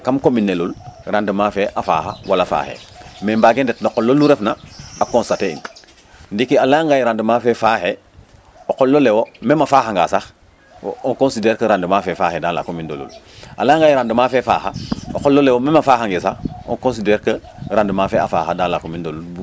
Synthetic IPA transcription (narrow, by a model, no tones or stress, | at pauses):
kamkominːelulɾandəmafɛʔafa̰ːxawalafa̰ːhḛmembaːɡendetnoqolːolːuɾɛfnaakõnstateḭn | ndikialaŋɡajɾandəmafɛfaːhe | oqolːolewomemafaːhaŋɡa̰ːsax | oŋkonsideːɾkɐɾandəmaːfɛfaːhedala̰komindolṵl | ʔa̰laŋɡajɾandəmaːfɛfaːxao̰kolːolewomemafaːhaŋɡesao̰nkõns̬ideɾkə | ɾandəmaːfɛa̰fa̰ːxadaːnlakomindolu